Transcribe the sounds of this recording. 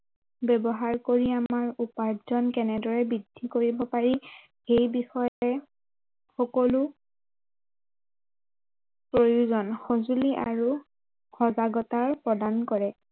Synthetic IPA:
bɛbɔɦaɹkoɹiamaɹupaɹzɔnkɛnɛdɔɹɛbidʱːikoɹibɔpaɹi | xejbixɔjɛ | xɔkɔlʊ | pɹojuzɔnxozuliʔa̰ɹu | xɔzaɡɔtaɹpɹɔdankɔɹɛ

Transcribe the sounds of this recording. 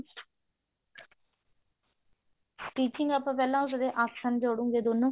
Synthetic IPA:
ʈiːt͡ʃɪŋɡəpːãːpɛːlãːʊs̬d̪eːʔaːssənd͡ʒoːɽũːŋɡeːd̪oːnːũː

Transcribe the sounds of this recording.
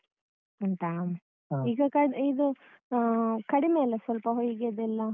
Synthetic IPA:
ɐnt̪aːm | iːɡɐkɐid̪u | kɐɽimeːlesʋɐlpɐɦoːjiɡed̪ɛlːɐ

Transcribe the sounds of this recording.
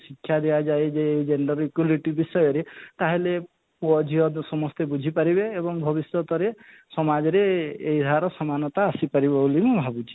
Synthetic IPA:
sikʰːjad̪ejad͡ʒajd͡ʒeːid͡ʒeɳɖɔɾikjuliʈibisɔjɔɾet̪aɦile | puɔd͡ʒʱiɦɔd̪sɔmɔst̪ebud͡ʒʱipaɾibeːbɔŋbʱɔbisjɔt̪ɔɾe | sɔmad͡ʒɔɾeːjd̪ʱaɾɔsɔmanɔt̪aːsipaɾibɔulimũbʱabut͡ʃʰi̥

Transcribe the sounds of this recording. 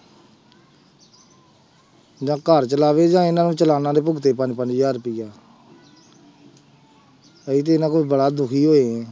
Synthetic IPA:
d͡ʒãːkəɾt͡ʃəlaːʋeːd͡ʒãːɪnãːnũːt͡ʃəlaːnãːd̪eːp̬ʊɡt̪eːpəɲd͡ʒpəɲd͡ʒjaːɾpiːaː | əiːt̪̬eːɪnãːkoːibəɽaːd̪ʊkʰiːɦoːeɛ̃ː

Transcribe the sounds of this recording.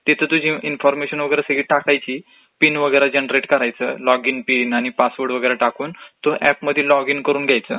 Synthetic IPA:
t̪it̪ʰət̪ud͡ʑʱĩinfɔɾmeɕənʋəɡəjɾasəɡiːʈakajt͡ɕiː | pinʋəɡəjɾad͡ʑenɾeʈkəɾajt͡sə̰ːlɔɡinpinañipasʋəɾɽʋəɡəjɾaʈakuːnt̪oʔɛpməd̪ʱːjelɔɡinkəɾuːnɡʱjajt͡səː

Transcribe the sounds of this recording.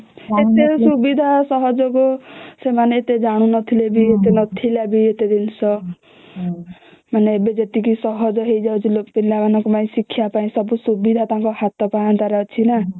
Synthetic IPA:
et̪esubid̪ʱasʌɦʌd͡zʌkosemaneet̪ed͡zaɽ̃unʌt̪ʰilebiet̪enʌt̪ʰilabiet̪ed̪insʌ | maneebed͡zet̪ikisʌɦʌd͡zʌɦejd͡zat͡silokpinlabanʌkopaĩsikʰːijapaĩsʌbusubid̪ʱat̪ãkohat̪ːɔpaãnt̪aɾat͡sʰina

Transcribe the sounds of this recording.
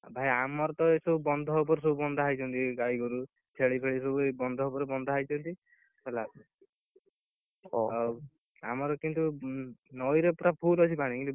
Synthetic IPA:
bʱajamɔɾɔt̪ɔesɔbubɔnd̪ʱɔupɔɾesɔbubɔnd̪ʱɔɦajt͡ʃʰɔnt̪iɡajɡɔɾu | t͡ʃʰeɭipʰeɭisobuebɔnd̪ʱɔupɔɾebɔnd̪ʱɔɦajt͡ʃʰɔnt̪i | bela | a̰mɔɾɔkint̪unɔjɾepɾapʰulɔt͡ʃʰipaɽ̃ikint̪u

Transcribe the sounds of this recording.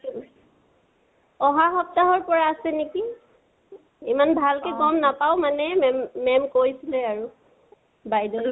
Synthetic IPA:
ɔɦaxɔp̚taɦɔɹpɔɹaːsɛneki | imanbʱalkekɔmnapaʊmanɛmɛmːɛmkojsilɛaɹu | bajdɔl

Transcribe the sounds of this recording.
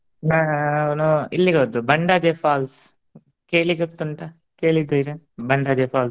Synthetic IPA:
anuilːiɡeod̪ːubɐɳɖaːd͡ʒefaːls | keːɭiɡɐt̪ːuɳʈɐ | keːɭid̪ːɐiɾe | bɐɳɖaːd͡ʒefʰaːls

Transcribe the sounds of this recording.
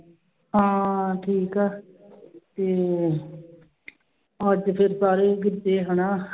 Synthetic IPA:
ɦãːʈʰiːkaː | t̪eː | əd͡ʒpʰɪɾsaːɾeːɡɪɾd͡ʒeːɦəɳaː

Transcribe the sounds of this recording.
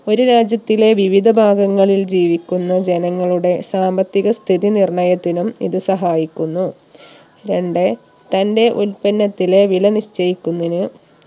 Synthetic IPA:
o̞ɾuɾaːd͡ʑjɐt̪ːile̞ʋiʋid̪ʱɐbʱaːɡɐŋːɐɭild͡ʑiːʋikʲːunːɐd͡ʑe̞nɐŋːɐɭuɽe̞saːmbɐt̪ːiɣɐst̪ʰiðinirɳɐjɐt̪ːinumḭðɨsɐɦaːjikʲːunːu | ɾe̞ɳɖe | t̪ɐnde̞ʔulpɐnːɐt̪ːile̞ʋiɭɐniɕt͡ɕɐjikʲːunːinɨ

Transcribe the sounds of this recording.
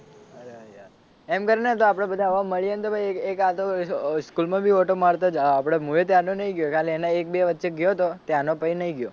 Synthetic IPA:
əɾea | emkəɾinet̪̬oapɽ̃ẽbəd̪ʱãʋãməɭijent̪obʱaiekat̪oskulmãbʱioʈomaɾt̪ad͡ʒaapɽ̃emuet̪janõnəĩɡjokaleeneek̚beʋətːʃeɡjot̪ot̪janopəinəiɡjo

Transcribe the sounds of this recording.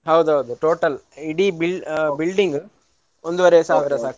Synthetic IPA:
ɦɐwd̪uɦɐwd̪uʈoːʈɐliɽibilbilɖiŋɡ | ond̪uʋɐɾesaːʋiɾɐsaːk

